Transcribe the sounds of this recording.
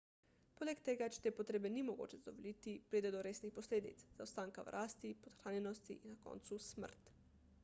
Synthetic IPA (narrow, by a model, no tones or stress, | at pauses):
poːlɛkt̪eːɡat͡ʃɛ̥t̪eːpɔt̪ɾeːbɛnimɔɡo̰ːt͡ʃɛzd̪ɔʋolit̪ipɾiːd̪ɛd̪ɔɾeːsnixpɔsleːd̪ḭt̪szawst̪aːŋkawɾʔaːst̪ipɔt̪xɾaːnjɛnɔst̪iʔinːakɔ̰ːnt̪susmə̰ɾt̪